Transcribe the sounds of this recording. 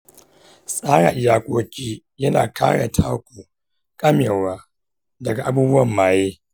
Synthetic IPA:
sʼaː˦ɽa̰˨ʔjaː˨kʷʼoː˦kʲʰʼiː˦ | jɐ˦na̰ː˨ka̰ː˦ɽa˨tʰaː˦kʷuː˨ | kʼɐ˦mjeː˨waː˦ | dɐ˨ɡa˨ʔa˦buː˦bʊ˦wɐ˨mːaː˨jeː˦

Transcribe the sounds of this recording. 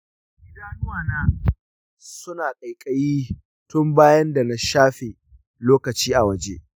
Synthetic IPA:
ʔɪ˦daː˨nʊ˦waː˦˨naː˦ | sʊ˦naː˨kʼa˨jkʼɐ˦jiː˦ | tʊ˦mbaː˦jɐ˦nda˨na˦ʃaː˦ɸeː˨ | loː˦kɐ˨t͡ʃiː˦ʔa˨wɐ˨d͡ʒḛ˦ʔ

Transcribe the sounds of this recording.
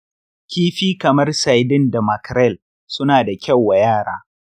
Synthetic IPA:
kʲiː˦ɸiː˦kɐ˨mɐ˦rsa˨jdɪ˦nda˨mɐ˨kɾɛ˦˨l | sʊ˦naː˨da˨kʲɐ˦wːa˨jaː˦˨ɽaː˦

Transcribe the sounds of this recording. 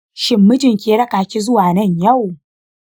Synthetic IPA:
ʃɪ˦mːɪ˦tɪ˨ŋkʲeː˨˦ɽɐ˦kaː˨kʲi˦zʊ˦waː˨nɐ˦˨ɲja˦˨w

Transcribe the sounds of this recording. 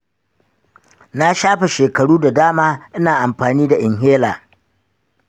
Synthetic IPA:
na˦ʃaː˦ɸe˨ʃeː˨kɐ˨ɽuː˦da˨daː˦maː˦ʔɪ˦naː˨ʔa˨mɸaː˨niː˦da˨ʔɪ˨ŋɦeː˦laː˨

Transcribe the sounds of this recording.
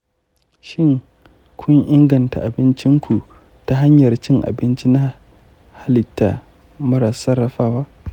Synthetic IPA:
ʃɪ˦˨ŋ | kʷʰʊ˦ŋʔɪ˦ŋɡɐ˨nta˨ʔa˨bɪ˦nt͡ʃɪ˦ŋkʷu˨ | ta˦ɦa˦ɲjɐ˨rt͡ʃɪ˦ŋʔa̰˨bɪ˦nt͡ʃi˦na˦ | ha˦lɪ˨tːa̰˨ | mɐ˦ɾaː˨sɐ˦rːɐ˦ɸaː˦waː˦ʔ

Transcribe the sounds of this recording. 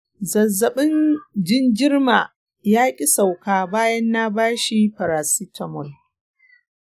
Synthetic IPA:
zɐ˨zːɐ˨ɓɪ˦nd͡ʒɪ˦ŋɡʲɪ˦rmaː˨ | jaː˦kʲʼi˦sa˨wkaː˨baː˦jɐ˦nːa˦baː˦ʃi˦ɸɐ˨ɾaː˨si˦tʰɐ˨mɔ˦˨l

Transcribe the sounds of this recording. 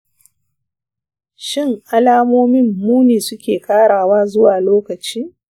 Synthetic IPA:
ʃɪ˦˨ŋʔa˦laː˦moː˦mɪ˦mːuː˦neː˨sʊ˦kʲeː˨kaː˦ɽaː˨waː˦zʊ˦waː˨loː˦kɐ˨t͡ʃiː˦

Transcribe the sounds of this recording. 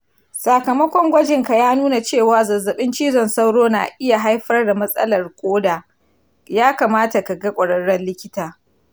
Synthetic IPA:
saː˨kɐ˨mɐ˦kʷɔ˦ŋɡʷɐ˦d͡ʒɪ˨ŋka˨jaː˦nuː˦na˨t͡ʃeː˦˨waː˨zɐ˨zːɐ˨ɓɪ˦nt͡ʃiː˦zɔ˨nsa˦wɽoː˦na̰ː˨ʔɪ˦ja˨ɦa˦jɸɐ˦rda˨mɐ˦sʼɐ̰˦lɐ˨rkʷʼoː˦daː˨ | jaː˦ka˨maː˦ta˨ka˨ɡa˦kʷʼɐ˨ɽɐ˦ɽːɔ˦nlɪ˦kʲɪ˦taː˨

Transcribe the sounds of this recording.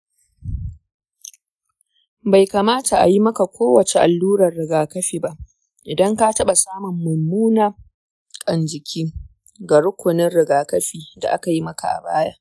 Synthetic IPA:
ba˨jka˨maː˦ta˨ʔa̰˨ji˦mɐ˦ka˨kʷʰoː˦wɐ˨t͡ʃe˨ʔa˨lːuː˦ɾɐ˨rːɪ˨ɡaː˨kɐ˦ɸiː˨ba˦ʔ | ʔɪ˨dɐ˦ŋka˦tɐ˦ɓa˨saː˦mʊ˨mːʊ˨mːuː˦naː˨ | kʼɐ˨nd͡ʒɪ˨kʲʰiː˦ | ɡa˨ɽʊ˦kʷʊ˨nɪ˦nɽɪ˨ɡaː˨kɐ˦ɸiː˨da̰˨ʔa˦ka˨ji˦mɐ˦ka˨ʔa̰˨baː˦jaː˦

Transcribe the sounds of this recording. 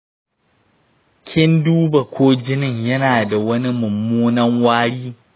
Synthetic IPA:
kʲʰɪ˦nduː˦ba˨kʷʰoː˦d͡ʒɪ˦nɪ˨ɲjɐ˦naː˨da˨wɐ˦ni˦mʊ˨mːuː˦nɐ˦ŋwaː˦ɽiː˦

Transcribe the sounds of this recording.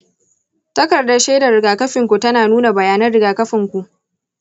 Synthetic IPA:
tɐ˦kɐ˨rdɐ˦ʃeː˦dɐ˨ɾɪ˨ɡaː˨kɐ˦ɸɪ˨ŋkʷu˨tɐ˦naː˨nuː˦na˨bɐ˨jaː˦nɐ˦rɽɪ˨ɡaː˨kɐ˦ɸɪ˨ŋkʷu˨ʔ

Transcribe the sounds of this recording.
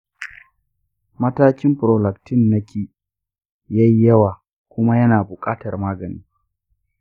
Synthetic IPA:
mɐ˦taː˦kʲɪ˦mɸʊ˨ɾoː˨lɐ˨ktɪ˦˨nːɐ˦kʰʲiː˨ | ja˦ji˦jɐ˦waː˨ | kʷʊ˦ma˦jɐ˦naː˨bʊ˨kʼaː˦tɐ˨rmaː˦ɡɐ˨nḭː˦

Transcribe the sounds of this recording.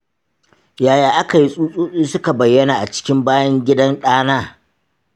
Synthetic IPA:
jaː˨jaː˨ʔa˦ka˨ji˦sʼuː˦sʼuː˦sʼiː˦sʊ˦ka˨bɐ˨jːɐ˦naː˨ʔa˨t͡ʃɪ̥˦kʲɪ˦mbaː˦jɐ˦ŋɡʲɪ˦dɐ˦nɗaː˦naː˦

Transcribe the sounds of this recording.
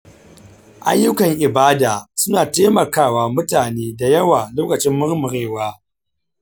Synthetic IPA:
ʔa̰˦jːʊ˦kɐ˨ŋʔɪ˨baː˦daː˨sʊ˦naː˨teː˦mɐ˨kaː˦˨waː˨mʊ˦taː˨neː˦da˨jɐ˦waː˨loː˦kɐ˨t͡ʃɪ˦mːʊ˦ɾmʊ˨ɽeː˦˨waː˦

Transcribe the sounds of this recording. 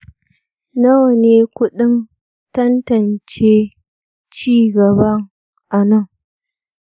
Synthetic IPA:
nɐ˦wɐ˨neː˦kʷʊ˦ɗɪ˦n | tɐ˦ntɐ˨nt͡ʃeː˦ | t͡ʃiː˦˨ɡɐ˨bɐ˦ŋ | ʔa˨nɐ˦˨ŋ

